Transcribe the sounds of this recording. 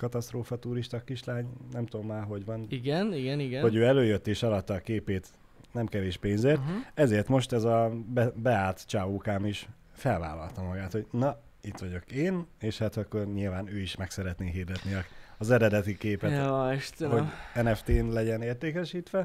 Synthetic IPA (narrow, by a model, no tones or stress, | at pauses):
kɒt̪ɒst̪roːfɒt̪uɾiʃt̪ɒkːiʃlaːɲnɛmt̪omːaːɦo̞ɟʋɒniɡɛniɡɛniɡɛnho̞ɟøːɛløːjøt̪ːeːʃɒlɒt̪ːɒːkeːpeːt̪ | nɛmkɛveːʃpeːnzeːrtt̪ɛzeːrt̪mo̞ʃt̪ɛzɒbɛbɛaːlt̪t͡ʃaːvuːkaːmiʃ | fɛlva̰ːlɒ̰lt̪ɒmɒɡaːt̪ho̞ɟnɒ | it̪ʋɒɟo̞keːneːʃhat̪ɒkːo̞rɲilvaːnøːiʃmɛksɛɾɛt̪neːɦird̪ɛt̪niɒkɒzɛɾɛd̪ɛt̪ikeːpɛt̪oɛʃthoɛnɛft̪eːnlɛɟɛneːrt̪eːkɛʃiːt̪ʋɛ